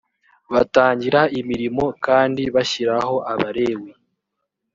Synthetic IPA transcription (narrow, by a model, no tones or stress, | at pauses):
βataːɲɟiɾaimiɾimo̞kaːndiβaçiɾaho̞ʔaβaɾe̞ːwi